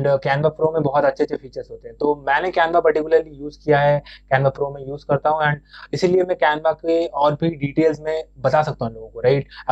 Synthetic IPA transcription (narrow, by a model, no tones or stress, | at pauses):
ɳɖkɛːnbapɾoːmẽbɔɦɔt̪ɐtːʃʰet͡ʃʰefiːt͡ʃəɾzɦoːt̪eɦɛ̃t̪oːmɛ̃ːnekɛːnbapɐɾʈɪkjʊləɾlijuːzkijaɦɛkɛːnbapɾoːmẽjuːzkɐɾt̪aɦũɛ̃ːɳɖɪsiliemɛ̃kɛːnʋakeɔːɾbʱiɖiːʈeːlzmẽbɐt̪asɐk̚t̪aɦũloːɡõkoɾaɪʈ